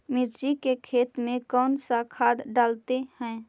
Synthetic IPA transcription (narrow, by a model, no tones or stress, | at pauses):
mɪɾd͡ʒikekʰeːt̪mẽkɔːnsakʰaːd̪ɖaːlt̪ehɛ̃ː